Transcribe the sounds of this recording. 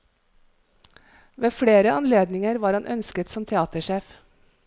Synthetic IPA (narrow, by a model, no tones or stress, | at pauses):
ʋeːfɽeːɾəʔɑnleːd̪nɪŋəɾʋɑːɾhɑnʔœnskət̪sɔmt̪ʰɛɑːt̪əʃeːf